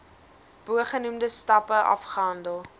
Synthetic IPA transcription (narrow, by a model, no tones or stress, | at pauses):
b̥uəχənumdəstɐpəʔɐ̰fχəɦɐndəlˠ